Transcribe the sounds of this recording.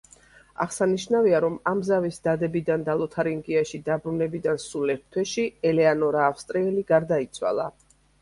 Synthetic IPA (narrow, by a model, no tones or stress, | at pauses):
a̰ʁsaniʃnaviaɾɔmamzavisd̪ad̪ɛbid̪and̪alˠɔt̪ʰaɾiŋɡiaʃid̪abɾunɛbid̪ansulɛɾt̪t̪ʰwɛʃiɛlɛanɔɾaːfst̪ʼɾiɛliɡaɾd̪ait̪sʰwa̰lˠa